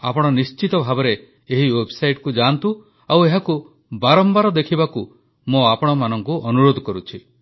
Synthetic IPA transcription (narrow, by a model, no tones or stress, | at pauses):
apɔɽ̃ɔnist͡ʃit̪ɔbʱabɔɾe | eɦiwebʱɔsajʈkud͡ʒant̪u | aweɦaku | baɾɔmbaɾɔd̪ekʰibaku | moapɔɽ̃ɔmanɔŋkuʔɔnuɾod̪ʱɔkɔɾut͡ʃʰi